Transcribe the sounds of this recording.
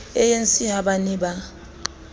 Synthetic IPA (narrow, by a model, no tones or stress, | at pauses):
ɛjent͡sʼiɦaɓaniɓa